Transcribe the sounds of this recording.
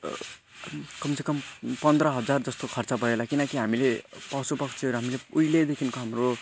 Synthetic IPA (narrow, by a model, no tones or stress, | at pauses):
kʌmsʰekʌmpʌnd̪rɾʌɦʌd͡zard͡zʌst̪okʰʌrt͡sapʌɾelakinʌkiɦamilepawsupʌkt͡sʰiʌɾuɦamileujled̪ekʰinkoɦamro